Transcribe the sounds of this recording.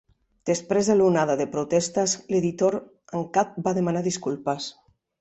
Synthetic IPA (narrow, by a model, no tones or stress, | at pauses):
d̪̥espɾezðelunað̞aðepɾot̪est̪azleðit̪oɾ | aŋkat̪̚baðemanaðiskulpas